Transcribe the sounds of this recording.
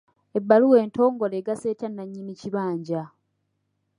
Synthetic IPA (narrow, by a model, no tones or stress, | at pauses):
ebːaluwe̞ːnto̞ːŋɡo̞leːɡase̞ːtanːaɲːiniciβaːɲɟa